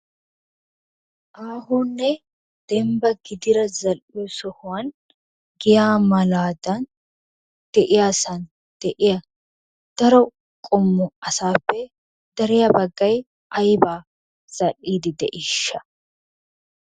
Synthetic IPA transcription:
ʔaːhunːɛ | d̪̥ɛmbɐɡɪd̪ɪɾɐzɐlɪjɔsɔhʊwɐn | ɡɪjaːmɐlaːd̪ɐn | d̪̥ɛʔɪjaːsɐn | d̪̥ɛʔɪjɐ | d̪̥ɐɾɔ | kʼɔmːʊɐsaːpːɛ | d̪̥ɐɾɛjɐbɐɡːɐj | ʔɐjbaː | z̥ɐlːiːd̪ɪd̪ɛʔɪʃːɐ̥

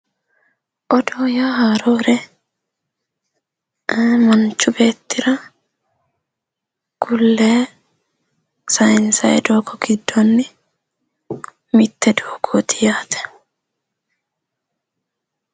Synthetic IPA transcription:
ʔɔd̪oːjaːɦaːɾo̞ːɾɛ | mɐnt͡ʃːʊbe̞ːt̪ːɪɾɐ | kʊlːeː | sɐjɪnsɐjɛd̪oːkɔɡ̥ɪd̪ːɔnːɪ | mɪt̪ːɛd̪oːɡʰoːt̪ʰɪjaːt̪ʰɛ̥

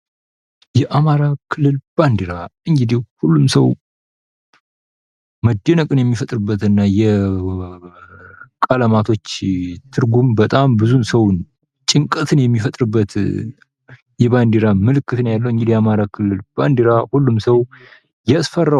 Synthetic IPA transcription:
jɛʔamaɾakʰɨlːɨlb̥and̪iɾaɨŋɡɨd̪ihhulːumsəw | məd̪ːɛnəkʼɨnjɛmːifət̪ʼɾɨbːət̪ɨnːajɛ | kʼaləmat̪ʰo̞t͡ʃːt̪ʰɨɾɡumbət̪ʼambɨzunsəwn | t͡ʃʼɪŋkʼət̪ʰɨnjɛmːifət̪ʼɾɨbːət̪ | jɛband̪iɾamɨlɨkːɨt̪ɨnjalːəwɨŋɡɨd̪ijɛamaɾakʰɨlːɨlb̥and̪iɾahulːumsəw | jɛsfərːa

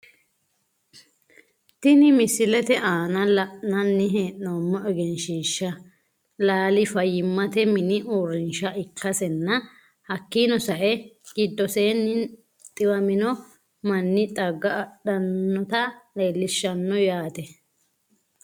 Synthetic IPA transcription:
t̪ɪnɪmɪsɪlɛt̪ɛʔaːnɐlɐnɐnːɪɦeːʔnomːɔɛɡɛnʃiːʃːɐ | laːlɪfɐjɪmːɐt̪ɛmɪnɪʔuɾɪnʃɐʔɪkʰːɐsɛnːɐ | hɐkːinɔsɐʔɛɡ̥ɪd̪ːɔseːnːɪ | t̪ʼɪwɐmɪnɔ | mɐnːɪt̪ʼɐɡːɐːɗɐnːɔt̪ɐleːlːɪʃːɐnːɔjaːt̪ɛ

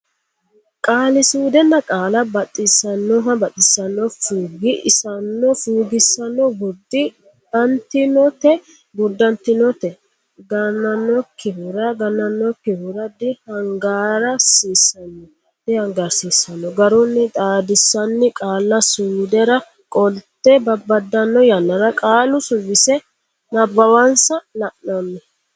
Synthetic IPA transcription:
kʼaːlɪsuːd̪ɛnːɐkʼaːlɐbɐt̪ʼːɪsɐnːɔɦɐbɐt̪ʼːɪsːɐnːɔfuːɡɪʔɪsɐnːɔfuːɡɪsːɐnɔbɔd̪ːɪ | ɐnt̪ɪnɔt̪ɛ | bʊd̪ːɐnt̪ɪnɔt̪ɛ | ɡɐnːɐnːɔkːɪhʊɾɐɡɐnːɐnːɔkːɪhʊɾɐd̪ɪhɐŋɡaːɾɐsiːsːɐnːɔ | d̪ɪhɐŋɡɐɾsiːsːɐnːɔɡɐɾɔnːɪt̪ʼaːd̪ɪsːɐnːɪkʼaːlːɐsuːd̪ɛɾɐ | kʼɔlt̪ːɛbɐbɐd̪ːɐnːɔjɐnːɐɾɐkʼaːlʊsʊbɪsɛ | nɐbɐwɐnsɐlɐʔnɐmːɛ

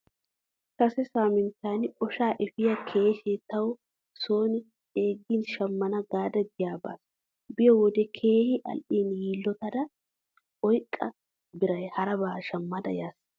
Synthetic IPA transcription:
kɐsɛsaːmɪnt̪aːnɔʃaːʔɛfɪjɐkʰe̞ːʃɛt̪ɐw | soːnɪ | eːɡːiːnʃɐmːɐnɐɡaːd̪ɐɡɪjaːba̰ːs | bɪjɔwɔd̪ɛkʰeːhɪʔɐ̰lʔiːnjiːlːɔt̪ɐd̪ɐ | ɔjkʼːɐ | bɪɾɐjhɐɾɐbaːʃɐmːɐd̪ɐ̰jaːs

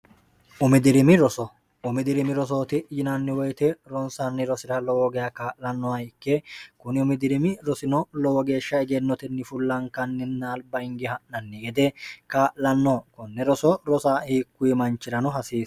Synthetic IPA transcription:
ʔʊmɪd̪ɪɾɪmɪɾɔsɔ | ʊmɪd̪ɪɾɪmɪɾɔs̬o̞ːt̪ɪjɪnɐnːɪwɔjt̪ɛɾɔnsanːɪɾɔsɪɾɐlɔwɔɡɛjɐkaːʔlɐnːɔɐɪkːɛkʊnɪʊmɪd̪ɪɾɪmɪɾɔsɪnɔlɔwɔɡe̞ːʃːɐɛɡɛnːɔt̪ɛnːɪfʊlːɐŋkɐnːɪnːaːlbɐɪŋɡɪhɐʔnɐnːɛɡɛd̪ɛkaːʔlɐnːɔkɔnːɛɾɔsɔɾɔsaːhiːkːʊimɐnt͡ʃːɪɾɐnɔɦɐsiːs

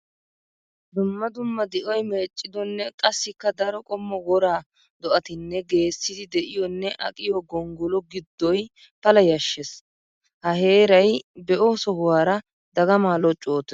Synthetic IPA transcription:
d̪ʊmːɐd̪ʊmːɐd̪ɪʔɔjmeːt͡ʃʼːɪd̪ɔnːɛkʼɐsːɪkːɐd̪ɐɾɔkʼɔmːɔwɔɾaː | d̪ɔʔɐt̪ɪnːɛɡe̞ːsːɪd̪ɪd̪ɛʔɪjɔnːɛʔɐ̰kʼɪjɔɡɔŋɡɔlɔɡɪd̪ːɔj | pɐlɐjɐʃːɛs | hɐhe̞ːɾɐjbɛʔɔsɔɦʊwaːɾɐ | d̪ɐɡɐmaːlɔt͡ʃʼːoːt̪ɛ

